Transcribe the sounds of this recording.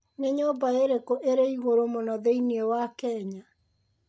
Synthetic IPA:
neɲobaeɾekoʔeɾeiɣoɾomonɔðeiniewakɛːɲa

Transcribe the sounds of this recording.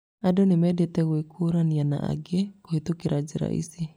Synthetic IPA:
adɔnɪmɛdɛt̪ɛɣwekʰuɾaniana̰ʔa̰ɡɛkohit̪ukiɾad͡ʒiɾa̰ʔḭsi

